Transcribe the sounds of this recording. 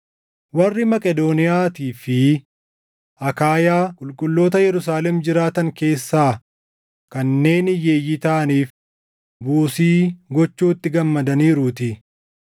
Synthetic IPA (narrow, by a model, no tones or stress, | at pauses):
wɐrːɪmɐkʼɛd̪oːnɪjaːt̪iːfɪ | ʔɐkaːjaːkʼʊlkʼʊlːo̞ːt̪ɐjɛɾʊsaːlɛmd͡ʒɪɾaːt̪ɐŋke̞ːsːaː | kɐnːe̞ːnɪje̞ːjːɪt̪ɐʔɐniːf | buːsiːɡɔt͡ʃːuːt̪ːɪɡɐmːɐd̪ɐniːɾʊːt̪ɪ